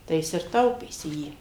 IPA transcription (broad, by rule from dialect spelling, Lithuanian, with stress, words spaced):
tɐɪ ˈjɪs ɪr ˈtɐʊpʲeːsʲɪ ˈjiː